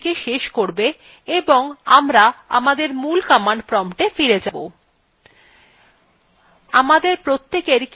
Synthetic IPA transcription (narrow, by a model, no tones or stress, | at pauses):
keʃeʃkoɾbe | eboŋamɾaa̰mad̪eɾmulkamaɳɖpɾɔmʈefiɾed͡ʑabo̰ | amad̪eɾpɾot̪ːekeɾk